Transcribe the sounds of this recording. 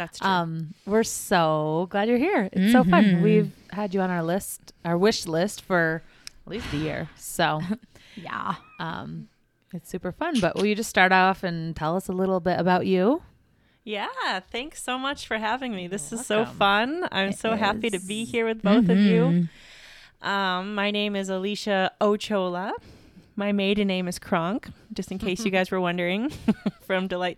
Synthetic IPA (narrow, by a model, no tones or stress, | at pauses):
ðætstʰʌ̃mwɪɹsoʊɡlædjə˞hiɹɨtsoʊfʌ̃nwiv̥hɨd͡ʒɨə̃ñaə˞lɪstʔaə˞wɪʃlɪstfə˞ | tˡlist̪̚ðɨjɪ̰ɹsoʊ | jæ̰ʔʌ̰̃m | ɨtsʉpə˞fʌ̃nbʌ̰ʔwʔɪlˠjɨd͡ʒʌststɑɹɾɔfɨ̃ntʰɛlˠʌsəlɪɾl̩ˠbɪɾɨbaʊt͡ʃʉ | jæθæ̃ŋksoʊmʌt͡ʃfə˞ɦævɪ̃ŋmiðɪsɨz̥soʊʊfʌ̃nã̰ɪ̃msoʊɦæpiɾɨbihiɹwɨðboʊθʌvjʉ | ʔʌ̃mːaɪnẽɪ̃mɨzəliʃɨoʊt͡ʃʰoʊlˠə | maɪmeɪɾə˞nẽɪ̃mɨz̥kʰɹ̥ɑ̃ŋkd̥ʒ̥ʌstɨ̃n̩kʰeɪsjɨɡaɪzwə˞wʌ̃ndə˞ɪ̃ŋfɹʌ̃mdəlaɪt̚